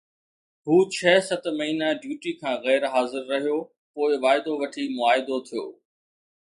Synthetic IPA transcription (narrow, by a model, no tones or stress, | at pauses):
ɦuːt͡ɕʰɛːsɐt̪mɐɦiːnaɖjuːʈikʰãːɣɛːɾɦaːzɪɾːɐɦijo | poːɪʋaːɪd̪oʋɐʈʰimʊaːɪd̪ot̪ʰijo̰ː